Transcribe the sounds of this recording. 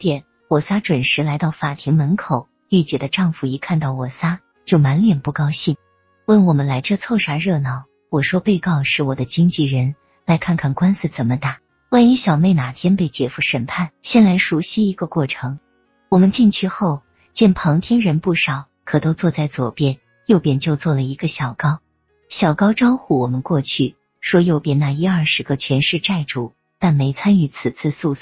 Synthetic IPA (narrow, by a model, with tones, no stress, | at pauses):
t̪jɛ˨˩˦n | wɔ˨˩sa˥ʈ͡ʂwə˨˩nʂɻ̩˧˥la˧˥ɪt̪ɑ˥˩ʊfa˨˩t̪ʰi˧˥ŋmə˧˥nkʰo˨˩˦ʊ | y˥˩t͡ɕjɛ˨˩d̪ə˦ʈ͡ʂɑ˥˧ŋfu˨˩i˧˥kʰa˥˧nt̪ɑ˥˩ʊwɔ˨˩sa˥ | t͡ɕjo˥˩ʊma˧˥nljɛ˨˩npu˥˩kɑ˥ʊɕi˥˩ŋ | wə˥˩nwɔ˨˩mə˦nla˧˥ɪʈ͡ʂɤ˥˧t͡sʰo˥˩ʊʂa˧˥ɻɤ˥˩nɑ˧˥ʊ | wɔ˨˩ʂwɔ˥pe˥˧ɪkɑ˥˧ʊʂɻ̩˥˩wɔ˨˩d̪ə˦t͡ɕi˥ŋt͡ɕi˥˩ɻə˧˥n | la˧˥ɪkʰa˥˧nkʰa˥˩nkwa˥ns̩˥˩t͡sə˨˩nmə˦t̪a˥˩ | wa˥˧ni˥ɕjɑ˨˩ʊme˥˩ɪna˨˩t̪ʰjɛ˥npe˥˩ɪt͡ɕjɛ˧˩fu˥˩ʂə˨˩npʰa˥˩nɕjɛ˥˩nla˧˥ɪʂu˧˥ɕi˥i˧˥ɡə˧kwɔ˥˩ʈ͡ʂʰɤ˧˥ŋ | wɔ˨˩mə˧˦nt͡ɕi˥˧nt͡ɕʰy˥˧xo˥˩ʊ | t͡ɕjɛ˥˩npʰɤ˧˥ŋt̪ʰjɛ˥nɻə˧˥npu˥˩ʂɑ˨˩˦ʊ | kʰɤ˨˩t̪o˥ʊt͡swɔ˥˧t͡sa˥˩ɪt͡swɔ̰˨˩pjɛ˥˩n | jo˥˩ʊpjɛ˥˩nt͡ɕjo˥˧ʊt͡swɔ˥˩lə˩i˧˥ɡə˧ɕjɑ˨˩ʊkɑ˥ʊ | ɕjɑ˨˩ʊkɑ˥ʊʈ͡ʂɑ˥ʊxu˥˩wɔ˨˩mə˦nkwɔ˥˧t͡ɕʰy˥˩ | ʂwɔ˥jo˥˩ʊpjɛ˥˩na˥˩i˥ɐ˞˥˩ʂɻ̩˧˥ɡə˧t͡ɕʰɥɛ˧˥nʂɻ̩˥˧ʈ͡ʂa˥˩ɪʈ͡ʂu˨˩ | t̪a˥˩nme˧˥ɪt͡sʰa˥ny˧˥t͡s̩ʰ˨˩t͡sʰɹ̩˥˧su˥˧s